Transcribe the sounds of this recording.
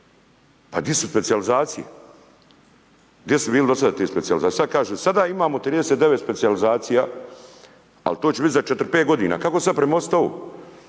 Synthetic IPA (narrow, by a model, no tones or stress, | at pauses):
pa̰ɡd̪jesuspesializaːt̪sijḛ | ɡd̪jesubiːlɪd̪o̞sad̪aːt̪iːspet̪sializaːisad̪̚kaːʒuːsad̪aːimaːmot̪ɾiːd̪eset̪eʋet̪spet̪sijalizaːt̪sijaː | a̰lt̪oːt͡ɕeit̪zat͡ʃet̪ɾ̩peːt̪ɡo̞d̪iːna̰ːkakoesad̪̚pɾemaost̪ao̰